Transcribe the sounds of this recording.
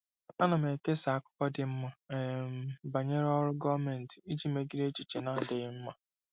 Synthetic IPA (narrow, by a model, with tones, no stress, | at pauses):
a˦nʊ˨m˨e˨ke˦sa˨kʊ̥˦kɔ˦dɪ˨m̩˦ma˨m˦ba˨ɲe˦ɾɔ˦ɾʊ˦ɡɔ˦me˨n̩˨tɪ˨i˦d͡ʒi˦me˦ɡi˦ɾe˦t͡ʃi˨t͡ʃe˨na˦˨dɪ˨ɪ˦m̩˦ma˨